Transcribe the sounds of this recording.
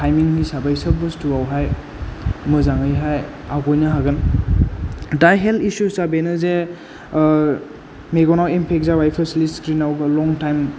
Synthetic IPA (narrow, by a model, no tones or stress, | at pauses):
tʰajmiŋisabajsək̚bɯstuawɦaj | mɯzaŋəjɦaj | aɡɔjnaɦaɡɯn | dajɦeltisusabenɯze | meɡɔnawempʰek̚zawajpʰəsliskɾinawɡɯlɔŋtajm